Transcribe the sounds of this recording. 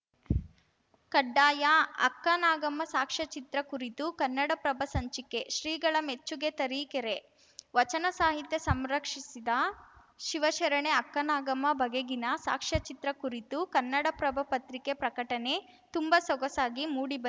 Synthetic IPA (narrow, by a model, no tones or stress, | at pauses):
kɐɖːaːjɐɐ̰kːɐnaːɡɐmːɐsaːkʂɐt͡ʃit̪ɾɐkuɾit̪ukɐnːɐɽɐpɾɐbʱɐsɐɲt͡ʃikeʃɾiːɡɐɭɐmet͡ʃːuɡet̪ɐɾiːkeɾe | ʋɐt͡ʃɐnɐsaːɦit̪jɐsɐmɾɐkʂisid̪ɐ | ʃiʋɐʃɐɾɐɳeɐkːɐnaːɡɐmɐbʱɐɡeɡinɐsa̰ːkʂɐt͡ʃit̪ɾɐkuɾit̪ukɐnːɐɽɐpɾɐbʱɐpɐt̪ɾikepɾɐkɐʈɐne̞ | t̪umbɐsɔɡɐsaːɡimuːɽibɐ